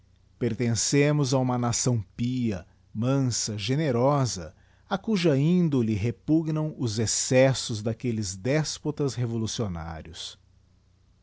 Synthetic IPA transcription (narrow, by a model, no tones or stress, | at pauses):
peɾt̪ẽsẽmʊzaũmɐnasɐ̃w̃piɐ̰ | mɐ̃sɐʒeneɾɔzɐ̰ | ɐkuʒɐĩnd̪olɪɦepuɡnɐ̃w̃ʊzesɛsʊzd̪akelɪzd̪ɛspot̪ɐzɦevolusiona̰ɾiʊs